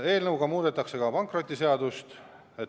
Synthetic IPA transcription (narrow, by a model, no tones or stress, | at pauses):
e̞ːlnɤwɡ̥ɑmuːd̪̥e̞t̪ːˑɑkse̞kɑpɑŋkro̞t̪ʲːˑise̞ɑd̪ust̪ | e̞t̪